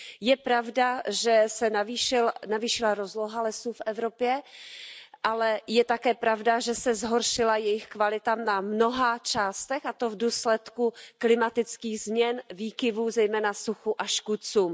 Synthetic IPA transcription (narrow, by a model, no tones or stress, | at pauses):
jɛpɾavdaʒɛsɛnaviʃɪlnaviːʃɪlaɾozloɦalɛsuːfʔɛvɾo̞pjɛ | ʔalɛjɛt̪akɛːpɾavdaʒɛsɛzɦoɾʃɪlajɛjɪxkvalɪt̪aːmnamno̞ɦat͡ʃaːst̪ɛxat̪o̞vduːslɛt̪kuklɪmat̪ɪt͡skiːɣzmɲɛnviːkɪvuːzɛjmɛːnasuxuʔaʃkut͡suːm